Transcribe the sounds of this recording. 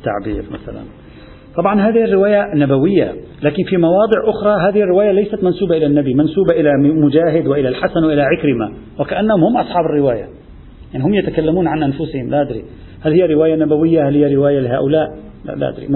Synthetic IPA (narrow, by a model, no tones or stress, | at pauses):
t̪ːa̰ʕbḭːɾma̰θa̰la̰n | t̪ˤɑbʕɑnɦaːðɪhɪrːɪwaːjanabawɪjːa̰laːkɪnfimɑwɑːd̪ˤɨʕʔʊxɾˤɑɦaːðɪhɪrːɪwaːjalajsat̪mansuːbaʔɪlanːabimansuːbaʔɪlamʊd͡ʒaːɦɪd̪wɪʔɪlalħasanwɪʔɪlaʕɪkɾɪma | wɪkaʔanːahʊmhʊmʔɑsˤħɑːbɪrːɪwaːja̰ | jaʕnihʊmjat̪akalːamuːnʕanʔanfʊsɪhɪmlaːʔad̪ɾḭ | halhɪjːaɾɪwaːjanabawɪjːahalhɪjːaɾɪwaːjalɪɦaːʔʊlaːʔ | la̰la̰ʔa̰d̪ɾḭ